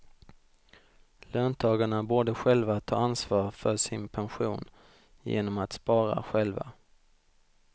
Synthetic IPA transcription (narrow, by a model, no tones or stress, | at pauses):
løːnt̪ʰɑːɡaɳaboːɖəɧɛlvat̪ʰɑːɾansvɑːɾfœʂɪnpʰɛnɧuːn | jḛːnɔmat̪spɑːɾa̰ɧɛlva̰